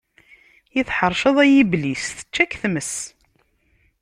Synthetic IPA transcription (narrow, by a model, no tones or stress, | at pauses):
jiθħəɾˤʃəðˤæjiblisθə̥t͡ʃːækːθməs